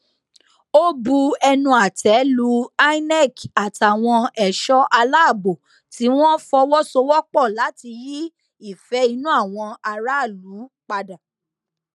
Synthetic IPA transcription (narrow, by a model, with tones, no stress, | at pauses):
o˦bu˧ɛ˧nũ˧a˨tʰɛ˨˦lu˨˦a˦i˦nɛ˦˨ka˨ta˨w̃ɔ̃˧ɛ˨ʃɔ˦ʔa˧la˦a˦˨bo˨ | ti˨˦w̃ɔ̃˦fɔ˧wɔ˦so˧wɔ˦k͡pɔ˦˨la˨˦ti˧ji˦ | i˦˨fɛ˨˦i˧nũ˦a˦˨w̃ɔ̃˧a˧ɾa˦˨lu˨˦k͡pa˧da˨